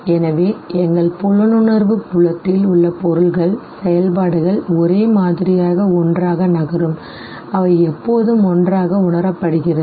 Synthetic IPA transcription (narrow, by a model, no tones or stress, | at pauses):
ɛnɐʋeːɛŋɡɐɭpɔɻɐnɯɳɐɾʋɯpʊɭɐt̪ːɪlʊɭːɐpɔɾɯɭɣɐɭsɛjɐlpaːɽɯɣɐɭɔɾeːmaːðɪɾɪjaːɣɐɔndraːɣɐnɐɣɐɾɯm | ɐʋɐɪɛpːoːðɯmɔndraːɣɐʊɳɐɾɐpːɐɽɯɣɪrɐɯ